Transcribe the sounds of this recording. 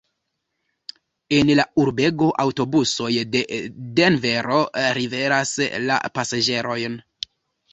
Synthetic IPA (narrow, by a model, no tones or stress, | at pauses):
e̞nlauɾbe̞ɡo̞ʔawto̞buso̞jdedenve̞ɾo̞ɾive̞ɾasla̰pasad͡ʒe̞ɾo̞jn